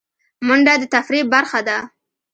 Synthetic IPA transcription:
mʊɳɖad̪ət̪afɾibaɾxad̪a

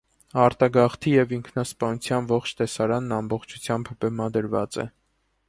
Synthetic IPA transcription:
ɑɾt̪ɑɡɑχt̪ʰijɛviŋkʰnɑspɑnut͡sʰjɑnvɔχt͡ʃʰt̪ɛsɑɾɑnːɑmbɔχt͡ʃʰu̥t͡sʰjɑmbbɛmɑd̪əɾvɑ̰t͡sɛ̰

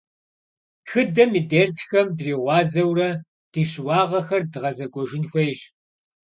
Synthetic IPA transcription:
xɨdɐmiːdersxɐmdriːʁʷɑːzɐwrɐ | d̥iːɕwɑːʁɐxɐrdɨʁɐzɐkʷʼɔʒɪnxʷɐjɕ

